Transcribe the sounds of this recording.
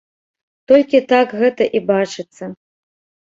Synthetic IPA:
t̪ɔlʲkʲit̪akɣɛt̪ɐʔibat͡ʂɨt̪sːɐ

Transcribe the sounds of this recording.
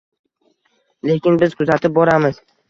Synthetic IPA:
le̞kʲɪnbɪzkʰʊzat̪ʰɪp̚bɒɾamɪz̥

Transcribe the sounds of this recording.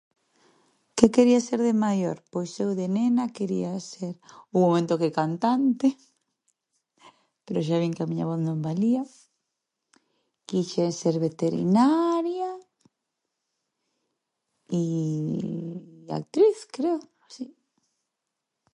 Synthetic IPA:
kekeɾiaseɾðemajoɾpojsewðenenakeɾḭaseɾuŋmomẽnt̪okekant̪ant̪e | peɾoʃ̬aβiŋkamiɲa̰βoθnõmbalia | kiʃeseɾβet̪eɾḭnaɾja | i | a̰k̚t̪ɾiθkɾeo | si

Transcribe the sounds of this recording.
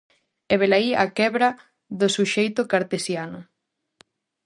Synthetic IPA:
eβelaia̰kɛβɾa | ðʊsuʃejt̪ʊkaɾt̪esjanʊ

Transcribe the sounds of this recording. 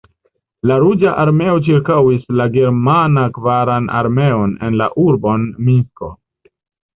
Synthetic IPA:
laɾud͡ʒaʔaɾme̞o̞t͡ʃiɾkawislaɡe̞ɾmanakvaɾanʔa̰ɾme̞o̞ne̞nla̰ʔuɾbo̞nmiko̰

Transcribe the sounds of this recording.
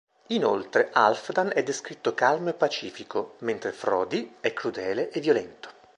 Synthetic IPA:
ino̰lt̪ɾeʔa̰lfd̪anɛd̪ːeskɾit̪ːokalmoepːat͡ʃiːfikoment̪ɾefɾɔːd̪iɛkːɾud̪ɛːleʔevːjolɛnt̪o̥

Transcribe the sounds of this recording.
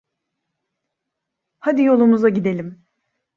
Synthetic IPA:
had̪ijo̞lˠumuzaɟid̪e̞lʲim

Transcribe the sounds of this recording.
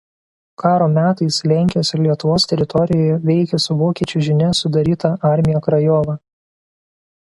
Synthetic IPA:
kɑːɾoːmʲæːt̪ɐɪslʲæˑŋʲkʲɪjoːsʲɪɾlʲiɛt̪ʊʋoːst̪ʲɛɾʲɪt̪ɔɾʲɪjoːjɛʋʲɛɪkʲɛsʊʋoːkʲiɛt͡ʃʲʊʒʲɪnʲɛsʊd̪ɐɾʲiːt̪ɐɑˑɾʲmʲɪjoːkɾɐjɔːʋɑ

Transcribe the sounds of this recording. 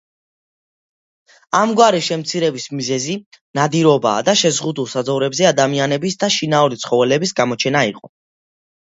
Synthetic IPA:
amɡwaɾiʃɛmt̪sʰiɾɛbismizɛzi | nad̪iɾɔba̰ːd̪aʃɛzʁud̪ulˠsad̪zɔvɾɛbzɛad̪amianɛbisd̪aʃinauɾit̪sʰχɔvɛlɛbisɡamɔt͡ʃʰɛnaiqʼɔ

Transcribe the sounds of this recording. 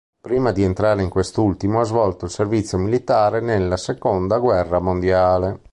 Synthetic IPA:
pɾiːmad̪ient̪ɾaːɾeiŋkwest̪ult̪imoazvɔlt̪oilservit̪sːjomilit̪aːɾenelːasekond̪aɡwɛrːamond̪jaːle

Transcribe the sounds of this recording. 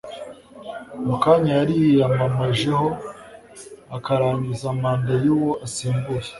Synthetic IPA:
mukaɲajaɾijjamamaʒe̞ho | akaɾaːɲɡizamaːndajuwoʔasiːmbuje

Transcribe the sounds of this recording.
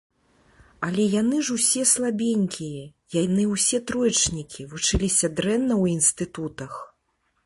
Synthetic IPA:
ɐlʲɛjanɨʐusʲɛslˠabʲenʲkʲijɐjanɨwsʲɛt̪ɾɔjt͡ʂnʲikʲivut͡ʂɨlʲisʲɐd̪ɾɛnːɐwinst̪ɨt̪ut̪ɐx

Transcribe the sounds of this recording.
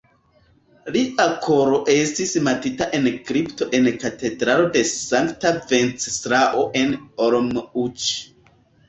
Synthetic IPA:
liʔakʰo̞ɾoʔe̞stismatitaʔe̞nkɾipto̞ʔe̞nkate̞dɾalo̞de̞saŋktave̞nt͡ssɾaʔo̞ʔe̞noɾomut͡ʃ

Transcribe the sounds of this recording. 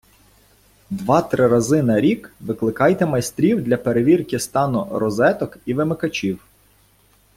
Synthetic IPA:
d̪ʋɑt̪ɾɪɾɐzɪnɐɾʲikʋɪklˠɪkɑjt̪ɛmɐjst̪ɾʲiwd̪lʲɐpeɾeʋʲirkʲɪst̪ɑnʊɾɔzɛt̪ɔkiʋɪmɪkɐt͡ʃʲiw

